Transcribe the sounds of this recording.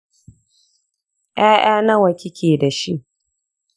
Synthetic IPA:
jʔaː˦j̰aː˦nɐ˦wɐ˨kʲɪ˦kʲʰeː˨da˨ʃi˦ʔ

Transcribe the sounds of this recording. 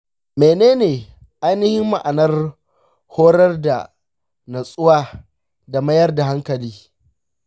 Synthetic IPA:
meː˨neː˦neː˨ | ʔa˦jnɪ˦hɪ˦mːa˨ʔa˨nɐ˦r | hoː˦ɾɐ˦rda̰˨ | na˨sʼʊ˦waː˦ | da˨mɐ˦jɐ˦rda˨ɦa˦ŋkɐ˨liː˦

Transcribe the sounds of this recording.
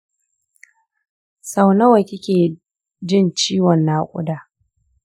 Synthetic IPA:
sa˨wnɐ˦wɐ˨kʲɪ˦kʲeː˨ | d͡ʒɪ˦nt͡ʃiː˦wɔ˨nːaː˦kʷʼʊ̰˦daː˨

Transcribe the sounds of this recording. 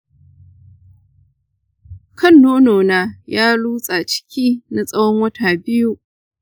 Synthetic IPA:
kʰɐ˦˨nːoː˦noː˨naː˨jaː˦luː˦sʼaː˨t͡ʃɪ̥˦kʲʰiː˦na˦sʼɐ˦wɔ˦ŋwɐ˦taː˨bɪ˦ju˦ʔ

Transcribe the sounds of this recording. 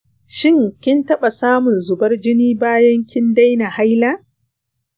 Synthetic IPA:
ʃɪ˦ŋkʲɪ˦ntɐ˦ɓa˨saː˦mʊ˨nzʊ˨bɐ˦rd͡ʒɪ˦niː˦baː˦jɐ˦ŋkʲɪ˦nda˦jna˨ha˦jlaː˦

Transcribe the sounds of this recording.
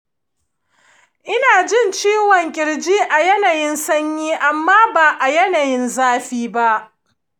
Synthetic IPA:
ʔɪ˦naː˨d͡ʒɪ˦˨nt͡ʃiː˦wɔ˨ŋkʲʼɪ˨ɽd͡ʒiː˦ʔa˨jɛ˦naː˨jɪ˦nsɐ˦ɲjiː˦ʔa˨mːaː˦baː˨ʔa˨jɛ˦na˨jɪ˦nzaː˦ɸiː˦ba˦ʔ

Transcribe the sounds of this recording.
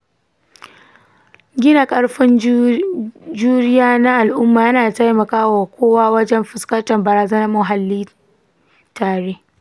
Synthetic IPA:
ɡʲɪ˦na˨kʼɐ˦ɽɸɪ˦n | d͡ʒuː˦ɽɪ˦jaː˦na˦ʔa˨lʔʊ˦mːaː˨jɐ˦naː˨a˨ta˦jmɐ˨kaː˦wa˨kʷʰoː˦waː˦wɐ˦d͡ʒɛ˦mɸɪ˨skɐ˦ntɐ˨mbɐ˨ɾaː˨zɐ˦nɐ˦rmʊ˨ɦa˨lːiː˦ | taː˨ɽeː˦

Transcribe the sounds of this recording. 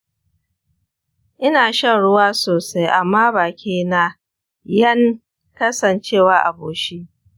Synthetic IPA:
ʔɪ˦naː˨ʃɐ˦nɽʊ˦waː˦soː˨sa˦jʔa˨mːaː˦baː˨kʲiː˦na˦ | jɐ˦ŋ | kɐ˦sɐ˨nt͡ʃeː˦˨waː˦ʔa̰˨boː˨ʃi˦

